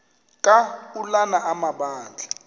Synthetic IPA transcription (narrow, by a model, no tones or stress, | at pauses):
kʼaulanaʔamaɓaːnd͡ɮʱa